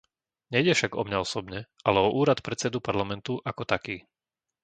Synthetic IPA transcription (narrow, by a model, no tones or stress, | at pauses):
ɲɛjɟɛfʃaɡɔmɲaɔsɔbɲɛʔalɛɔʔuːɾat̪pɾɛt͡sɛd̪upaɾlamɛnt̪uʔakɔt̪akiː